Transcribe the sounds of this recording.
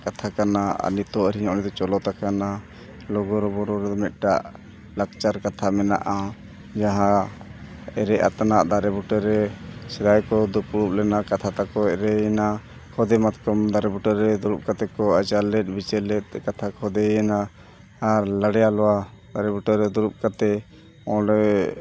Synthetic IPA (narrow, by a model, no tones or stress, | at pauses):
kat̪ʰakanaa̰nit̪ɔaɾiɲaɔnit̪ɔt͡ʃɔlɔt̪akana | lɔɡɔɾɔbɔɾɔɾɛmɛt̪̚ʈaʔ | lak̚t͡ʃaɾkat̪ʰamɛna̰ʔa | d͡ʒaɦã | ɛɾɛʔa̰t̪anaʔd̪aɾɛbuʈɔɾɛsɛd̪ajkɔd̪upuɽup̚lɛnakat̪ʰat̪akɔɛɾɛjɛna | kʰɔd̪ɛmat̪kɔmd̪aɾɛbuʈɔɾɛd̪uɾup̚kat̪ɛkɔat͡ʃalɛt̪̚ˀbit͡ʃɛlɛt̪̚kat̪ʰakʰɔd̪ɛjɛnaː | ɾləɽɛjalɔwad̪aɾɛbuʈɔɾɛd̪uɾup̚kat̪ɛ | ɔ̃ɾɛ